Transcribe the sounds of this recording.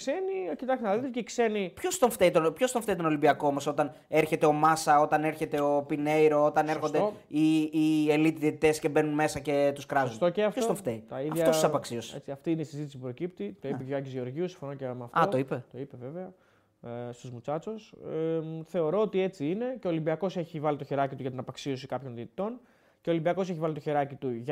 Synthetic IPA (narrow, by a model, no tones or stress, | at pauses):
kse̞niocit̪ɐçinɐðit̪t̪ceksenipço̞st̪o̞ɱft̪eit̪onpçost̪oɱfteit̪o̞no̞limbiɐko̞mɐso̞t̪ɐn | e̞ɾçe̞t̪e̞o̞mɐsɐo̞t̪ɐne̞ɾçe̞t̪e̞opine̞jɾo̞ot̪ɐneɾxod̪e | iielit̪iðiet̪it̪e̞sce̞be̞nunme̞sɐce̞t̪uskɾɐzunt̪oeɐfost̪oɱft̪eit̪ɐiðɐʝftɐossɐpoɐksiosḛt͡siɐft̪iineisizit̪isipupɾo̞cip̚t̪it̪oipeeɐcizʝeo̞ɾʝiusiɱfo̞nocemeɐftɐooipet̪o̞ipeve̞veɐ | st̪uzmut͡sɐt͡sos | θe̞o̞ɾo̞ot̪ie̞t͡siine̞ceolimbiɐko̞se̞çivɐlit̪oçeɾɐcit̪uʝɐt̪inɐpɐksio̞sikɐpço̞nðiet̪i̥t̪o̞n | ceolimbiɐko̞s̬eçivɐlit̪oçeɾɐcit̪uʝ